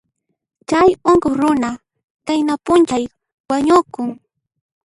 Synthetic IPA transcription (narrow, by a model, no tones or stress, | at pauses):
t͡ʃajoŋɢoɾʊna | kajnapʊnt͡ʃaj | waɲʊkʊŋ